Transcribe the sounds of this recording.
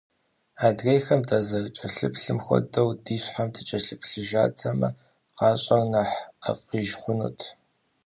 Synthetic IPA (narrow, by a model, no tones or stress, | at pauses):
aːdɣejxɐmdaːzɐrt͡ʃʼɐɬɨpʰɬɨmxʷɔ̰dɐwdiːɕħamdʰɨt͡ʃʼɐɬɨpʰɬɨʒaːtʰɐmɐ̰ | qɑːɕʼɐrnɐħa̰fʼiːʒχʷʊnṵtʰ